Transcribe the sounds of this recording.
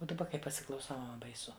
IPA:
oː dɐˈbɐ kɐɪ pɐsʲɪklˠɐʊˈsɐʊ bɐɪˈsʊ

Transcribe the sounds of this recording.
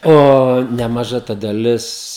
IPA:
ˈoː nʲɛmɐˈʒɐ tɐ dɐˈlʲɪs

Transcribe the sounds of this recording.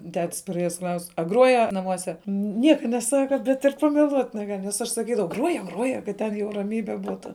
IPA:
ˈtʲɛtʲs pɐˈrʲeːjɛs ˈklˠɐʊsʲ ɐ ˈɡruɔjɛ nɐˈmuɔsʲɛ ˈnʲiɛkɐ nʲɛˈsɑːkɐ bʲɛt ɪr pɐmʲɛˈlˠuɔtʲ nʲɛˈɡɐlʲ nʲɛs ˈɐʃ sɐˈkʲiːdɐʋɐʊ ˈɡruɔjɛ ˈɡruɔjɛ kɐt ˈtʲɛn jɛʊ rɐˈmʲiːbʲɛ ˈbuːtʊ

